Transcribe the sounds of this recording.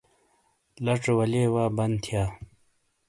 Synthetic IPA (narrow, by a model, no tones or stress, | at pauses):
lɐʈ͡ʂwɐleːwaːbɐnt̪ʰjaː